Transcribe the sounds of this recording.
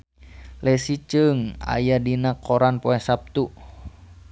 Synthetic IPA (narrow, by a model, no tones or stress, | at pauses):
lɛsit͡ʃəŋa̰jadinakʰɔɾanpɔɛsap̚t̪u